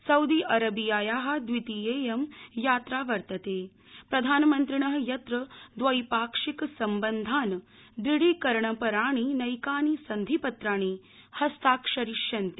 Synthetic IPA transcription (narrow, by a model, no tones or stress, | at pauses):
sɐwd̪iʔɐɾɐbijaːjaːɦɐ̆d̪ʋit̪ijeːjɐmjaːt̪ɾaːʋɐɾt̪ɐt̪eː | pɾɐd̪ʱaːnɐmɐnt̪ɾiɳɐɦjɐt̪ɾɐd̪ʋɐjpaːkʂiksɐmbɐnd̪ʱaːn | d̪ɾiɽiːkɐɾɳɐpɐɾaːɳ̃inɐjkaːnisɐnd̪ʱipɐt̪ɾaːɽ̃i | hɐst̪aːkʂɐɾiʂjɐnt̪i